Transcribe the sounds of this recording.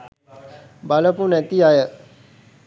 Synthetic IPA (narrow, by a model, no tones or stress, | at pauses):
baləpunɛt̪iajə